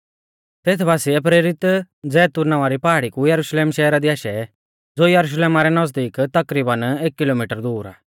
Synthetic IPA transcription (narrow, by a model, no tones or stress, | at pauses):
t̪eːt̪ʰbʱaːsiɛp̬ɾeːɾɪt̪ | d͡zɛːt̪ʊɾnaʋaɾipaːɽikujɐɾuʃleːmʃɛːɾad̪iaːʃɛ | d͡zoːjɐɾuʃ̬leːmaɾɛnɐzd̪iːkt̪ɐkɾiːbəneːkːɪlomiːʈəɾd̪uːɾa̰ː